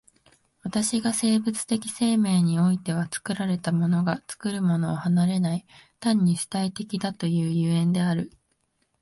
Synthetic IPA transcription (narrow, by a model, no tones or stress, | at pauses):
βat̪aɕiɡase̞ːbɯ̟t͡sɨ̥t̪e̞kʲi̥se̞ːme̞ːɲ̟io̞it̪e̞β̞at͡sɨ̥kɯ̟ɾaɾe̞t̪amo̞no̞ɡat͡sɨ̥kɯ̟ɾɯ̟mo̞no̞ːhanaɾe̞nait̪ãɲ̟ːiɕɨ̥t̪ait̪e̞kʲid̪at̪o̞jɯ̟ːjɯ̟ːẽ̞nd̪e̞aɾɯ̟